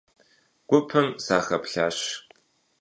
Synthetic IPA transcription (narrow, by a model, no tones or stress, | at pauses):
ɡ̥ʷʊpʰɨmsaːxɐpɬaːɕ